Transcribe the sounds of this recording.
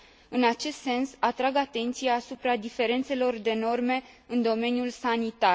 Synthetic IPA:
ɨnat͡ʃe̞st̪se̞nsat̪ɾaɡat̪e̞nt̪sijaːsupɾad̪ife̞ɾe̞nt̪se̞lo̞rd̪e̞no̞rme̞ | ɨnd̪o̞me̞njulsanit̪a

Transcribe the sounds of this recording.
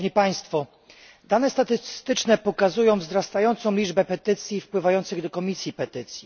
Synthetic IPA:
ɲipaj̃st̪fɔ | d̪anɛst̪at̪ɘst̪ɘt͡ʂnɛpɔkazujɔ̃w̃vzɾast̪ajɔnt̪sɔ̃w̃lʲid͡ʐbɛpɛt̪ɘt̪sʲjifpwɘvajɔnt̪sɘɣd̪ɔkɔmʲisʲjipɛt̪ɘt̪sʲji

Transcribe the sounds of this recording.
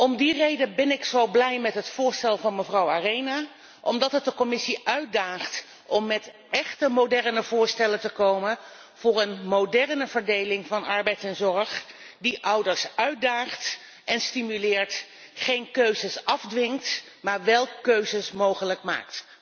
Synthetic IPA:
ɔmdirejdənbɪnɪksowblɛjmɛtɦətfʊːɹstɛlˠvɑnməvrɑwaːrejnaː | ʔɔmdɑtɦət̚dəkɔmɪsiʔœɥt̚daːχt | ʔɔmːɛt | ʔɛχtəmowdɛɹnəvʊːɹstɛləntəkowmən | v̥ʊːɹənmodɛɹnəv̥əɹdejlɪŋvɑnɑɹbɛjtɛnzɔɹχ | diʔʌwdəɹsœɥ̚daːχt | ɛnstimylɪːɹt | χejnkøɥzəsɑvdʋɪŋkt | maːɹʋɛlˠkøɥzəsmowχələkma̰ːkt

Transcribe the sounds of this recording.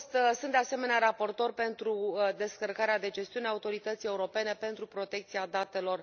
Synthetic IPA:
st̪sɨnt̪d̪e̞ase̞me̞neaɾapo̞rt̪o̞rʲpe̞nt̪ɾud̪e̞skərkaɾead̪e̞d͡ʒe̞st̪iuneaut̪o̞ɾit̪ət̪sije̞uɾo̞pe̞ne̞pe̞nt̪ɾupɾo̞t̪e̞k̚t̪siad̪at̪e̞lo̞r

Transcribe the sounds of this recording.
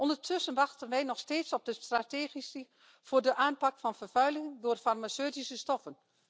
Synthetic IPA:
ʔɔndərtʰʏsənʋɑxtənʋɛjnɔxsteːtsɔb̚dəstrateːxisə | v̥oːrdəʔaːnpɑkfɑnfərfœɥlɪŋŋdoːrfarmasøːtisəstɔfən

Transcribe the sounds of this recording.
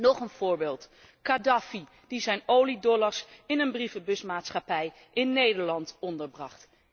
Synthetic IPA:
nɔχənv̥ʊːɹbɪːlˠt | kadɑfi | d̥izɛjnowlidɔlɑɹsɪnənbrifəbɵsmaːtsχɑpɛj | ʔɪnːejdəɹlɑntɔndəɹbrɑχt

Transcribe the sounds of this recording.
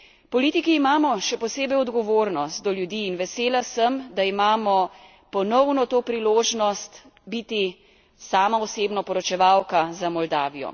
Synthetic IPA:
pɔliːt̪ikiːmaːmɔʃɛpɔseːbɛjɔd̪ɡɔʋoːɾnɔst̪̚d̪ɔljud̪iːnʋɛseːlasəmd̪aimaːmɔ | pɔnɔwnɔt̪oːpɾiloːʒnɔst̪ | bit̪i | saːmaɔseːbnɔpɔɾɔt͡ʃɛʋawkazamɔld̪aːʋijɔ̰

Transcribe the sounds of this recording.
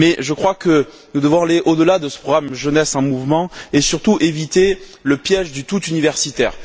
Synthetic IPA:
mɛʒəkχwakə | nud̪əvɔ̃aleʔod̪əlad̪əsə̥pχɔɡʁamʒənɛsɑ̃muvmɑ̃esyʁt̪uʔevit̪eləpjɛʒd̪yt̪ut̪ynivɛʁsit̪ɛːʁ

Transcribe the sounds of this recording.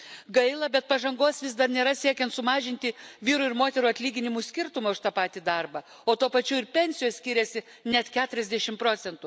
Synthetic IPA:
ɡɐɪlˠɐbʲɛt̪̚pɐʒɐŋɡoːsʋʲɪs̬d̪ɐɾnʲeːɾɐsʲiɛkʲɛnt̪sʊmɑːʒʲɪnʲt̪ʲɪʋʲiːɾʊɪɾmoːt̪ʲɛɾuːɐt̪ʲlʲiːɡʲɪnʲɪmuːsʲkʲɪɾt̪ʊmɐːʊʃt̪ɑːpɑːt̪ʲiːd̪ɐɾbɐ | oːt̪uɔpɐt͡ʃʲuːɪɾpʲɛnʲsʲɪjoːssʲkʲiːɾʲɛsʲɪ | nʲɛt̪kʲæːt̪ʊɾʲɛzʲd̪ʲɛʃʲɪmpɾoːt̪sʲɛnt̪ʊ

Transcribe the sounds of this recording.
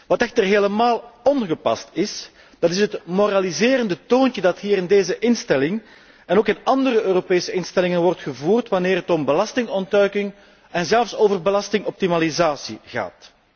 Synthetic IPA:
ʋɑtɛxtərɦeːləmaːlˠɔnɣəpɑ̰stɪs | d̥ɑtɪsɦətmoɾalizeːɾəndətoːncədɑtɦiːɾɪndeːzəʔɪnstɛlɪŋ | ɛnoːkɪnɑndəɾəʔøːropeːsəɪnstɛlɪŋənʋɔrtxəvuːrtʋaneːrɦətɔmbəlɑstɪŋɔntœɥkɪŋ | ɛnzɛlˠfsoːvərbəlɑstɪŋɔp̚timalizaːsiɣa̰ːt

